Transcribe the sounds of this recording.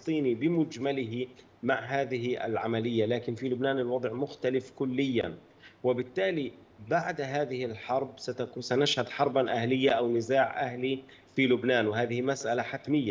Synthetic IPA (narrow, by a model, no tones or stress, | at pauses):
t̪ˤiːnibɪmʊd͡ʒmalɪɦi | maʕɦaːðɪɦiʔɪ̰lʕamalɪjːalaːkɪnfilʊbnaːnɪlwɑd̪ˤʕmʊxt̪alɪfkʊlːɪjːa̰n | wɪbɪt̪ːaːli | baʕd̪ɦaːðɪhɪlħɑɾˤb̚sat̪asanaʃhad̪ħɑɾˤbaʔahlɪjːaʔawnɪzaːʕʔahli | filʊbnaːnwɪhaːðɪhimasʔalaħat̪mɪjːa